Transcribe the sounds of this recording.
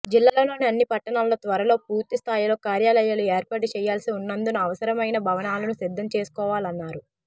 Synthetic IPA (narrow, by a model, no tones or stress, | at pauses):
d͡ʒilːaːlɐlo̞ːniɐnːipɐʈːɐɳaːlːɐt̪ʋɐɾɐlo̞ːpuːɾt̪ist̪ʰaːjilo̞ːkaːɾjaːlɐjalueːɾpaːʈut͡ʃɛːjaːlsiunːɐnd̪unuɐʋɐsɐɾɐmɐjnɐbʱɐʋɐnaːlɐnusid̪ʱːɐmt͡ʃe̞ːsu̥kɔːʋaːlɐnːaːɾu